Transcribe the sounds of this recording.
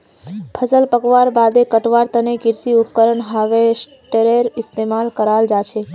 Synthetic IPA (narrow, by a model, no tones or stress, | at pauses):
pʰəsəlpəkʋaɾbad̪ekəʈʋaɾt̪ənekɪɾsiʊpkəɾəɳɦaʋes | ʈeɾeɾɪst̪emalkəɾald͡ʒat͡ʃʰe